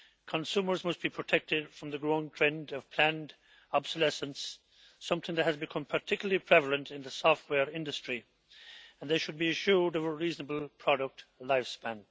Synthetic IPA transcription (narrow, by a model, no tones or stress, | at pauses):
kʰə̃nsũmə˞zmʌst̚b̥ipʰɹ̥ɨtʰɛk̚tɪd̥fɹʌ̃mðəɡɹoʊɪ̃ŋtʰɹ̥ɛ̃ndʌv̥pʰl̥æ̃nd | ɑbsəlɛsə̃nsː | ʌ̃mθɪ̃ŋðɨt̚hɨzbɨkʰʌ̃mpʰə˞tʰɪkjl̩ˠəlipʰɹ̥ɛvl̩ˠə̃ntɨ̃nðəsɔft̚wɛɹɪ̃ndɨstɹ̥i | ə̃nðeɪʃɨd̚biɨʃʊɹdovəɹiznəbəl̩ˠpʰɹ̥ɑɾək̚tlaɪfspæ̃n